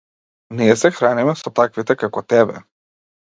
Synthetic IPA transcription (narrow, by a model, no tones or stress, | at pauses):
niɛsɛxɾanimɛsɔt̪akvit̪ɛkakɔt̪ɛbɛ̰